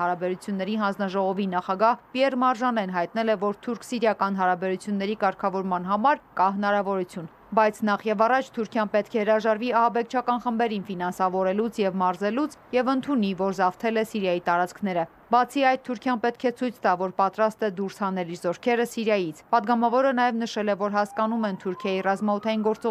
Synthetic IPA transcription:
ɑɾɑbɛɾut͡sʰjunːɛɾiɦɑnd͡znɑʒɔʁɔvinɑχɑɡɑhpiɛrmɑɾʒɑnɛnɦɑjt̪nɛlɛvɔɾt̪ʰuɾkʰsiɾjɑkɑn̪ɦɑɾɑbɛɾut͡sʰjunːɛɾikɑɾkʰɑvɔɾmɑn̪ɦɑmɑɾkɑɦənɑɾɑvɔɾut͡sʰjun | bɑjt͡sʰnɑχjɛvɑrɑt͡ʃʰt̪ʰuɾkʰjɑnpɛt̪kʰɛhəɾɑʒɑɾviɑhɑbɛk̚ʰt͡ʃʰɑkɑnχəmbɛɾinfinɑnsɑvɔɾɛlut͡sʰjɛvmɑɾzɛlut͡sʰjɛvənt̪ʰunivɔɾzɑft̪ʰɛlɛsiɾjɑjit̪ɑɾɑt͡skʰnɛɾə | bɑt͡sʰiɑjd̪̚t̪ʰuɾkʰjɑnpɛt̪kʰɛt͡sʰujt͡sʰt̪ɑvɔɾpɑt̪ɾɑst̪ɛd̪uɾshɑnɛliɾzɔɾkʰɛɾəsiɾjɑjit͡sʰpɑd̪ɡɑmɑvɔɾənɑjɛvnəʃɛlɛvɔɾɦɑskɑnumɛnt̪ʰuɾkʰjɑjirɑzmɑɔt̪ʰɑjinɡɔɾt͡sɔ

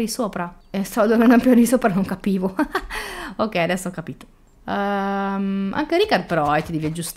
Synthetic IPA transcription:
ɾisoːpɾa | est̪ad̪onanampjoɾɾisoːpɾanoŋkapiːvo | okːɛjad̪ɛsːoɔkːapiːt̪o̥ | ma̰ŋkeɾikard̪̚peɾɔɛt̪ːid̪ivied͡ʒust̪

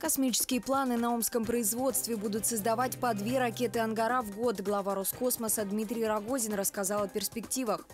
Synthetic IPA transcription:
kɐsmʲit͡ɕɪ̥skʲɪjəplˠanɨnɐo̞mskəmpɾəɪzvo̞t̪st̪vʲɪbud̪ʊt̪səzd̪ɐvat̚ʲpɐd̪vʲe̞ɾɐkʲe̞t̪ɨɐnɡɐɾavɡo̞t̪ɡlˠɐvaɾosko̞sməsəd̪mʲit̪ɾʲɪjɾɐɡo̞zʲɪnrəskazɑlˠɐpʲɪrspʲɪktʲivəx

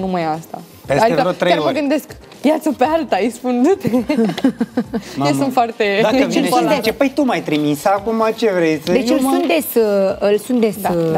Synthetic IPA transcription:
numajast̪a̰ | pesad̪ieəot̪ːɾekaɾmmɡɨnd̪e̞sk | vjat̪səpealt̪aijspund̪t̪e | jewsunt̪foart̪eaet͡ʃesund̪et͡ʃepəjt̪umajt̪ɾimisakumat͡ʃevɾejsʲd̪et͡ʃəlsunt̪d̪esəlsund̪es

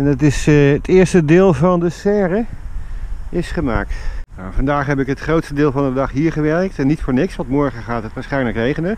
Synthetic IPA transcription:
ɛndɑtɪsətʰɪːɹstədɪːlˠvɑndəsɛːrə | ʔɪsχəma̰ːktnawvɑndaːχɦɛbɪkɦətχrowtstədɪːlˠvɑndədɑχɦiːɹχəʋɛɹk̚tɛnːitfʊːɹnɪksʋɑntmɔɹχəχaːtɦətʋaːɹsχɛjnləkrejχənə

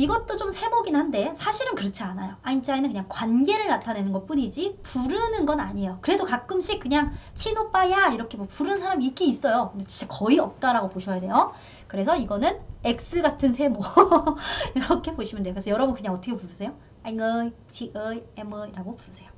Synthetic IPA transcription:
iɡʌt͈ot͡ɕomsʰe̞moɡinhande̞sʰaɕʰiɾɯnkɯɾʌt͡ɕʰianajoaint͡ɕ͈ainɯnkɯɲaŋkwanɡe̞ɾɯɭnatʰane̞nɯnɡʌp͈uɲid͡ʑipuɾɯnɯnɡʌna̰ɲiejokɯɾe̞dokak͈̚ɯmɕʰik̚k͈ɯɲaŋt͡ɕʰinop͈ajaiɾʌkʰe̞mopuɾɯnnsʰaɾamiːk͈iːs͈ʌjokɯndet͡ɕi̥t͡ɕ͈akʌiʌp̚t͈aɾaɡopoɕʰʌjade̞jo | kɯɾe̞s̬ʰʌiɡʌnɯne̞k̚s͈ɯɭɡatʰɯnsʰe̞mo | jʌɾʌkʰe̞poɕʰimɯndejkɯɾesʰʌjʌɾʌbunkɯɲaŋʌtʰʌkʰepuʌsʰe̞jo | eŋɯ | t͡ɕʰiʔemɯiɾaɡopuɾɯsʰe̞jo

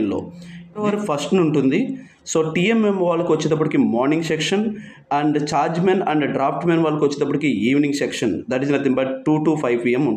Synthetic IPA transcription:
nlo̰ːɐʋɐɾupʰɐɾsʈnuɳʈund̪i | so̞ːʈiememʋaːlːɐkiʋɐt͡ʃːed̪ɐp̬ːɐʈikimɔːɾnĩŋɡsekʂɐn | ɐɳɖt͡ʃaːɾd͡ʒmenɐ̰ɳɖɖɾaːpʰʈmenʋaːlːɐkiʋɐt͡ʃːɪnd̪ɐp̬ːɐʈikiiːʋnĩŋɡsekʂɐnd̪ɐʈiznɐt̪imbɐʈʈuːʈuːpʰɐjʋpiːemuɳ

